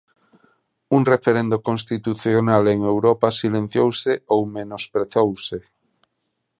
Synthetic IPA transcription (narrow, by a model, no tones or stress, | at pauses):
uŋrefeɾend̪okõnst̪it̪uθjonaleŋewɾɔpasilẽn̟θjowseowmenospɾeθowse